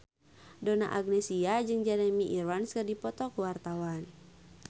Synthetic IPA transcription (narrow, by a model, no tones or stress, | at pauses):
dɔna̰ʔaɡ̚nɛsiad͡ʒɨŋd͡ʒɛɾɛmiʔirwanskɨrdipɔt̪ɔkuwart̪awan